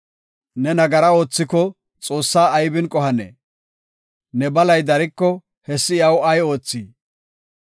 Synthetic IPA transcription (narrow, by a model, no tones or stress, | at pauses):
nɛnɐɡɐɾɐo̞ːt͡sːɪkɔ | t͡sʼo̞ːsːaːɐjbɪnkʼɔhɐnḛ | nɛbɐlɐjd̪ɐɾɪkːɔ | hɛsːɪjɐwɐjo̞ːt͡sːiː